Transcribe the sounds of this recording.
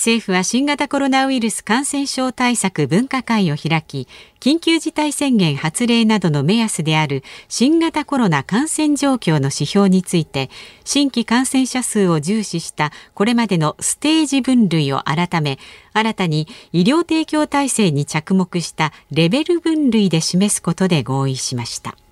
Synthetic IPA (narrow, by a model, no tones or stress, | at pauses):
se̞ːɸɯ̟βaɕĩŋɡat̪ako̞ɾo̞naɯ̟iɾɯ̟sɨ̥kãɰ̃sẽ̞ɰ̃ɕo̞ːt̪aisakɯ̟bɯ̟̃ŋkakãĩo̞çiɾakʲikʲĩŋkʲɨːʑit̪aisẽ̞ŋɡẽ̞ɰ̃hat͡sɨɾe̞ːnad̪o̞no̞me̞jasɨd̪e̞aɾɯ̟ɕĩŋɡat̪ako̞ɾo̞nakãɰ̃sẽ̞ɲd͡ʑo̞ːkʲo̞ːno̞ɕiço̞ːɲ̟it͡sɨit̪e̞ɕĩŋkʲikãɰ̃sẽ̞ɰ̃ɕasɨːo̞ʑɨːɕiɕi̥t̪ako̞ɾe̞mad̪e̞no̞sɨ̥t̪e̞ːʑibɯ̟̃nɾɯ̟io̞̰ʔaɾat̪ame̞aɾat̪aɲ̟iːɾʲjo̞ːt̪e̞ːkʲo̞ːt̪aise̞ːɲ̟it͡ɕakɯ̟mo̞kɯ̟ɕi̥t̪aɾe̞be̞ɾɯ̟bɯ̟̃nɾɯ̟id̪e̞ɕime̞sɨ̥ko̞t̪o̞d̪e̞ɡo̞ːiɕimaɕi̥t̪a̰